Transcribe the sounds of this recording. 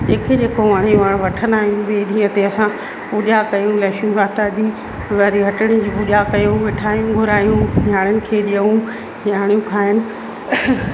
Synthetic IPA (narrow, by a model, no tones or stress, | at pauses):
d͡ʑeːkʰed͡ʑeːkoʋaɽ̃eʋaɽ̃ʋɐʈʰə̃nd̪aːɦijũʋeːɗĩːə̃t̪eɐsã | pʊʄakɐjũlɛːʃjũʋaːt̪aɐd͡ʑiː | ʋaɾiɦɐʈəɽ̃ĩd͡ʑiːpʊʄakɐjũʋɪʈʰaːjũɡʱʊɾaːjũɲaːɽ̃ənɪ̆kʰeːɗijəũ | ɲaːɽ̃ijũkʰaːɦɪnɪ̆